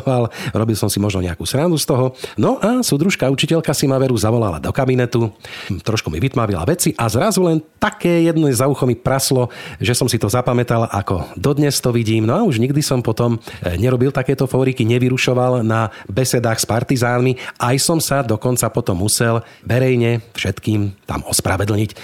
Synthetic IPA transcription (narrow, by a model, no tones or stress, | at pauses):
alɾɔbilsɔmsimɔʒnɔ̰ɲɛakuːsɾanzust̪ɔɦɔnɔʔasud̪ɾuʃkaut͡ʃicɛʎkasimaʋɛɾuzaʋɔlala̰d̪ɔkabinɛt̪ut̪ɾɔʃkumḭʋit̪maʋila̰ʋɛt͡siʔazɾazulɛnt̪akɛːjɛd̪nɛzauxɔmipɾaslɔʒɛsɔmsit̪ɔzapamɛt̪alʔa̰kɔ̰d̪ɔd̪ɲɛst̪ɔʋiɟiːmnɔauʒɲiɡd̪isɔmpɔt̪ɔmɲɛɾɔbilt̪akɛːt̪ɔfɔːɾikiɲɛʋiɾuʃɔʋalnabɛsɛd̪aːxspaɾt̪izaːnmiʔajsɔmsad̪ɔkɔnt͡sapɔt̪ɔmːusɛl | ʋɛɾɛjɲɛfʃɛt̪kiːmt̪a̰mɔspɾa̰ʋɛd̪l̩ɲic